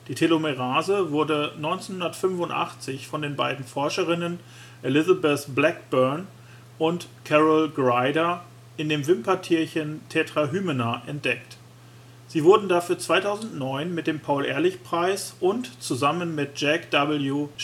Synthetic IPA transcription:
d̥iːtʰelomeʁaːzəvʊɐdənɔʏnt͡senhʊndɐtfʏnfʊntʔa̰χt͡sɪçfɔndeːnbaɪdn̩fɔɐʃəʁɪnən | ʔelɪzabɛθblɛkb̥œɐn | ʔʊntkʰɛʁəlɡʁaɪdɐ | ʔɪndeːmvɪmpɐtʰiːɐçəntʰɛːtʁ̥aɦyːmənaʔɛnt̚d̥ɛk̚t | z̥iːvʊɐdn̩dafyːɐt͡sv̥aɪtʰaʊzn̩tnɔʏnmɪt̚d̥eːmpʰaʊlʔɛ̰ːɐlɪçpʁ̥aɪsʔʊntt͡suzamənmɪt̚d͡ʒ̥ɛkd̥abl̩ju

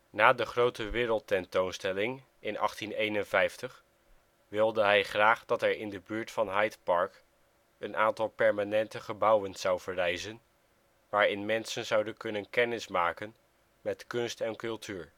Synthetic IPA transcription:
naːdəχrowtəʋɪːɾəlˠtɛntownstɛlɪŋ | ɪnɑ̰χtinejnənvɛjftəχ | ʋɪlˠdəɦɛjχraːχdɑtɛɹɪndəbyːɹtfɑnɦɑjtpɑɹk | ənʔaːntɑlˠpɛɹmanɛntəχəbʌwənz̥ɑwv̥əɹɛjzən | ʋaːɹɪnmɛnsənzɑwdənkɵnənkɛnɪsmaːkən | mɛtkɵnstɛnkɵlˠtʰyːɹ

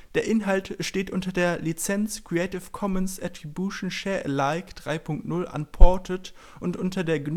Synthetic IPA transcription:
d̥eːɐʔɪnɦaltʃteːtʔʊntɐdeːɐlit͡sɛnt͡skʁ̥iɛɪtɪfkʰɔmənsʔatʁ̥ibjuʃn̩ʃɛːɐʔlaɪkd̥ʁaɪpʰʊŋk̚tnʊlʔa̰npʰɔɐtʰət | ʔʊntʔʊntɐdeːɐɡn

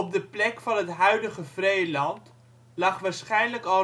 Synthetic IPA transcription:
ɔp̚dəplɛkfɑnɦətɦœɥdəχəv̥rejlɑnt | lɑχʋaːɹsχɛjnləkɑ

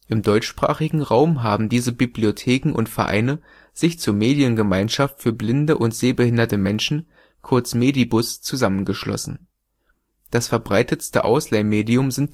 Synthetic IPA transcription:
ʔɪmdɔʏt͡ʃʃpʁ̥a̰ːχɪɡŋ̩ʁaʊmɦaːbm̩diːzəbibliotʰeːkŋ̩ʔʊ̰ntfɛɐʔa̰ɪnə | z̥ɪçt͡suːɐmeːdjənɡəmaɪnʃaftfyːɐblɪndəʔʊntz̥eːbəhɪndɐtəmɛnʃn̩ | kʰʊɐt͡smeːdibʊst͡suzamənɡəʃlɔ̰sn̩ | d̥asfɛɐbʁaɪtəstə̰ʔa̰ʊslaɪmeːdiʊmzɪnt

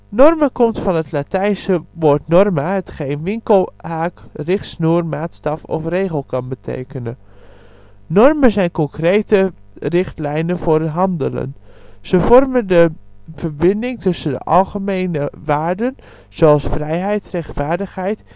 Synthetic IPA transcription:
nɔrməkɔmtfɑnətlatɛjnsəʋoːtnɔrmaɦətχeːnʋɪŋkəlˠhaːkrɪχtsnuːrmaːtstɑfɔ̰freːɣəlˠkɑnbətʰḛːkənə | nɔrmənzɛjnkɔŋkreːtərɪxtlɛjnənvʊrəɦɑndələ̰nz̥əfɔrməndəvərbɪndɪŋtɵsəndə̰ʔɑlˠχəmeːnəʋaːrdən | z̥oɑlˠsfrɛjɦɛjtrɛxtfaːɹdəxhɛjt

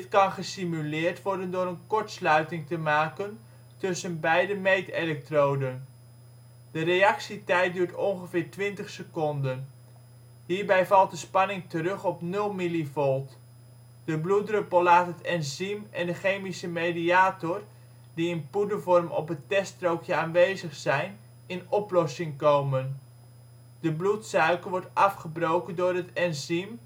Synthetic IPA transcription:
dtkɑnχəsimylɪːɹtʋɔɹdəndʊːɾənkɔɹtslœɥtɪŋtəmaːkən | tɵsənbɛjdəmejtelɛk̚trowdən | dərejɑksitɛjt̚dyːɹtɔnχəvɪːɹtʋɪntəχsəkɔndən | ɦiːɹbɛjvɑlˠt̚dəspɑnɪŋtəɾɵχɔpnɵlˠmilivɔlˠt | d̥əbludrøpəlˠlaːtɦətɛnzimɛndəχejmisəmejdiaːtɔr | diɪnpudəvɔrmɔ̰pətɛstrowkjəaːnʋejzəχsɛjn | ɪnɔplɔsɪŋkowmən | d̥əblutsœɥkəʋɔɹtɑfχəbrowkəndʊːɹɦətɛnzim

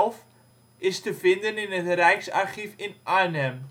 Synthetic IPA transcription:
lˠf | ɪstəfɪndənɪnətrɛjksɑ̰rχifɪnʔanɛm

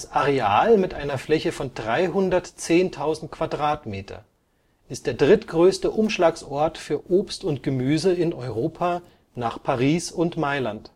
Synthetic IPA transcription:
sʔaʁeaːlmɪtʔaɪnɐflɛçəfɔndʁaɪɦʊndɐtt͡seːntʰaʊzn̩t̚kv̥adʁaːtmeːtʰɐ̰ | ʔɪst̚d̥eːɐdʁɪtɡ̥ʁøːstəʔʊmʃlaːksʔɔɐtfyːɐʔoːpstʊntɡ̥əmyːzəɪnɔʏʁoːpʰaː | naːχpʰaʁiːsʊntmaɪlant

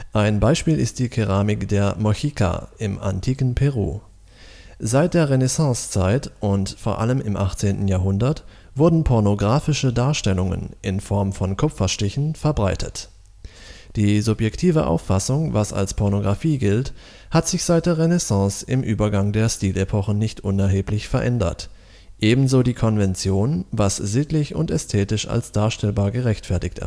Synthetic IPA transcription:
ʔaɪnbaɪʃpiːlɪ̰st̚d̥iːkʰeʁ̞aːmɪkd̥eːɐmɔçiːkʰa̰ɪmʔa̰ntʰiːkn̩pʰeʁ̞ṵː | zaɪt̚d̥eːɐʁenɛsɑ̃ːst͡saɪtʔʊntfoːɐʔa̰ləmɪmʔaχt͡seːntn̩jaːɐɦʊndɐt | v̥ʊɐdn̩pʰɔɐnoɡʁaːfɪʃədaːɐʃtɛlʊŋə̰nʔɪnfɔɐmfɔnkʰʊpp͡fɐʃtɪçn̩fɛɐbʁaɪtʰət | d̥iːzʊpjɛktʰiːvəʔa̰ʊfːasʊŋvasa̰lspʰɔɐnoɡʁafiːɡɪlt | hatz̥ɪçz̥aɪt̚d̥eːɐʁenɛsɑ̃ːsɪ̰mʔyːbɐɡaŋdeːɐʃtiːlʔepʰɔχn̩nɪçtʔʊnɛɐɦeːplɪçfɛɐʔɛndɐ̰t | ʔeːbm̩zoːdiːkʰɔnvɛnt͡sjoːnvasz̥ɪtlɪçʊ̰ntɛstʰɛːtɪʃa̰lsd̥aːɐʃtɛlbaːɐɡəʁɛçtfɛɐtɪçtɛ̰ɐ

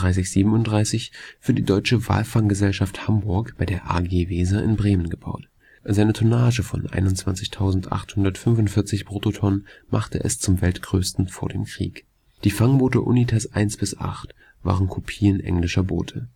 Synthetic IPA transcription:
ʁaɪs̬ɪçz̥iːbm̩ʊntdʁaɪsɪçfyːɐdiːdɔʏt͡ʃəva̰ːlfaŋɡəzɛlʃafthambʊɐkb̥aɪdeːɐʔa̰ɡeːviːzaʔɪ̰nbʁeːmənɡəbaʊt | zaɪnətʰonaːʒəfɔ̰nʔa̰ɪnʊnt͡sv̥ant͡sɪçtʰaʊzn̩tʔa̰χthʊndɐtfʏnvʊntfɪɐt͡sɪçpʁ̥oːtotʰɔnənmʔa̰χtə̰ʔɛ̰st͡sʊmvɛltɡ̥ʁøːstn̩foːɐdḛːmkʁ̥ḭːk | d̥iːfaŋboːtəʔṵnitʰasʔaɪnsb̥ɪsʔa̰χt | v̥a̰ːʁənkʰopʰiːənʔɛ̰ŋlɪʃɐbo̰ːtʰə

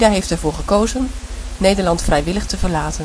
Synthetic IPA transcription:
daːɦejftɛɹvʊːɹχəkowzənnejdəɹlɑntfrɛjʋɪləχtəvəɹlaːtən

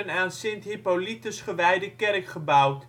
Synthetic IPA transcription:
ənaːnsɪnthipolitəsχəʋɛjdəkɛrkχəbawt

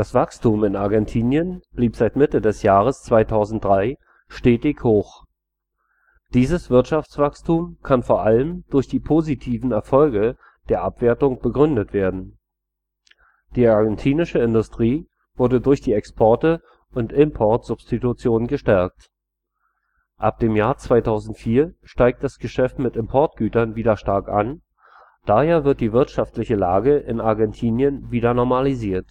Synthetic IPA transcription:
d̥asv̥akstuːmɪnaɐɡɛntʰiːnjənb̥liːpz̥aɪtmɪtədɛsjaːʁ̞əst͡sv̥aɪtʰaʊzn̩t̚d̥ʁaɪ | ʃteːtɪçhoːx | d̥iːzəsv̥ɪɐtʃaft͡sv̥akstʰuːmkʰanfoːɐʔaləmd̥ʊɐçd̥iːpʰoːzitʰiːvn̩ɛɐfɔlɡə | d̥eːɐʔapv̥eːɐtʊŋb̥əɡʁʏndətv̥eːɐdn̩ | d̥iːaɐɡɛntʰiːnɪʃəɪndʊstʁ̥iː | v̥ʊɐdədʊɐçd̥iːɛkspʰɔɐtə | ʔʊntɪmpʰɔɐtz̥ʊpstitut͡sjoːnənɡəʃtɛɐk̚t | ʔa̰p̚d̥eːmjaːɐt͡sv̥aɪtʰaʊzn̩tfiːɐʃtaɪk̚t̚d̥asɡ̥əʃɛftmɪtɪmpʰɔɐt̚ɡ̥yːtɐnviːdɐʃtaɐka̰n | d̥aheːɐvɪɐt̚d̥iːvɪɐtʃaftlɪçəlaːɡəʔɪnaɐɡɛntʰiːnjənviːdɐnɔɐmaliziːɐt

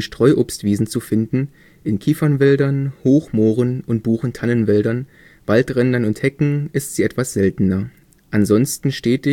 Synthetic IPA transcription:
ʃtʁ̥ɔʏʔoːpstv̥iːzn̩t͡sufɪndn̩ | ʔɪnkʰiːfɐnvɛldɐnhoːxmoːʁənʊnt̚b̥uːχn̩tʰanənvɛldɐn | v̥altʁɛndɐnʊnthɛkŋ̩ʔɪstz̥iːɛtv̥asz̥ɛltn̩ɐ | ʔanzɔnstn̩ʃteːtɪ

